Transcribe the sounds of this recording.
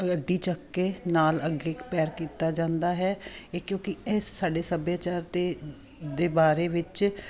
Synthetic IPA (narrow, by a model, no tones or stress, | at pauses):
ɡəɖiːt͡ʃəkːeːnaːləɡeːkpɛːɾkiːt̪aːd͡ʒãːnd̪aːɦɛːkjõːkɪɪsːaːɖeːsəbjaːt͡ʃaːɾt̪eː | d̪eːbaːɾeːʋɪt͡ʃ